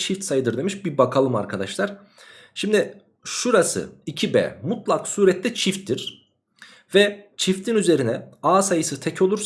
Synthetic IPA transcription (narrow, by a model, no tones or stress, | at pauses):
t͡ʃʰift̪sajɯd̪ɯɾd̪e̞miʃbibakʰalˠɯma̰ɾkʰad̪aʃlˠaɾ̥ | ʃimd̪i | ʃuɾasɯ̰icʰibɛ̰ːmut̪lˠaksuːɾɛt̪ʰːʲɛt͡ʃʰift̪ːiɾ̥ | vɛt͡ʃʰift̪ʰinyze̞ɾinɛaːsajɯsɯt̪ʰɛcʰo̞lˠuɾs